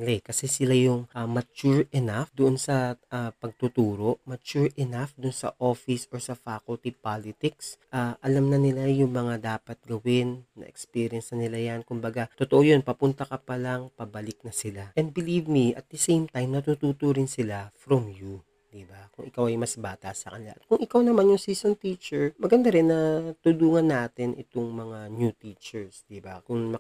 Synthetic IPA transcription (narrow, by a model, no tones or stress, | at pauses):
lɛkɐsɛsɪlajʊŋʔɐmɐt͡ʃuɹɛnafd̪ʊʔonsɐʔapɐɡ̚t̪ʊt̪uːɾo̞ʔmɐt͡ʃuɹʔɛnafd̪ʊnsɐ̰ʔofɪsʔoɹsɐfakʊlt̪ipalɪt̪ɪksʔaʔɐlamnɐnɪlajʊŋmɐŋad̪aːpɐt̪̚ɡɐwɪnːɐ̰ʔɛ̰kspiɾjɐnsɐnɪlajankʊmbɐɡat̪ot̪oʔojo̞npɐpʊnt̪ɐkɐpɐlɐŋpɐbɐlɪk̚nɐsɪlaʔɛnd̪̚bɪlivmiʔɐ̰t̪̚d̪ɐsejmt̪ajmnɐt̪ut̪uːt̪oɾɪnsɪlafɾɔmju | d̪̥ɪbakʊŋʔɪkawɐjmɐsbaːt̪asɐkɐnɪla̰ʔɐt̪̚kʊŋʔɪkawnɐmanjʊŋsiːsont̪iːt͡ʃɛɹmɐɡɐnd̪aɾɪnːɐt̪ʊluːŋɐnːaːt̪ɪnʔɪ̰t̪oŋmɐŋanjut̪iːt͡ʃɛɹsd̪ɪbakʊŋmɐ